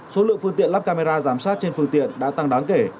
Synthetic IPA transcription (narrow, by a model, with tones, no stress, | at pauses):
so˨˦lɨ̰˧əŋfɨ˧əŋt̪ḭ˧˨ənla˦˥p̚kaː˧me˧zaː˧zaː˧˩msaː˦˥t̚t͡ɕe˧nfɨ˧əŋt̪ḭ˧˨ənɗa̰ː˧˥t̪a˧ŋɗaː˨˦ŋke˧˩